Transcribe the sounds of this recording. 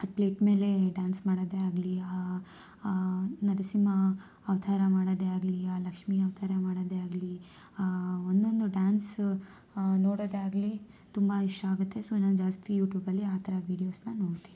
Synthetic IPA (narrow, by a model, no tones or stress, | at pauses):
ɐpleːʈme̞ːle̞ɖaːnsmaːɽod̪eaːɡlia | nɐɾɐsimɐː | ʋt̪ʰaːɾɐmaːɽod̪eaːɡliaːlɐkʂmiɐʋt̪ʰaːɾɐmaːɽod̪eaːɡli | aond̪ond̪uɖaːns | noːɽoːd̪eaːɡli | t̪umbɐiʂʈaːɡut̪ːe̞soːnaːnd͡ʒaːst̪ijuːʈjuːbɐlːiaːt̪ʰɐɾɐʋiːɽijoːsnɐno̞ːɽt̪ini